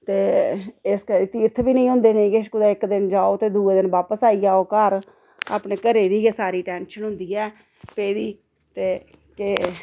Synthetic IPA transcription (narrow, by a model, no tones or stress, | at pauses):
t̪eːɪskəɾiːt̪iːɾt̪ʰbiːnəĩːɦʊ̃nd̪eːnẽːkeʃkʊd̪ɛːɪkd̪ɪnd͡ʒaːoːt̪eːd̪uːeːd̪ɪnʋaːpəsaːiːaːoːkəɾ | a̰ːpneːkəɾeːd̪iːɡeːsaːɾiːʈɛːnʃənɦʊ̃nd̪iːɛː | peːd̪iː | t̪eː | kɪ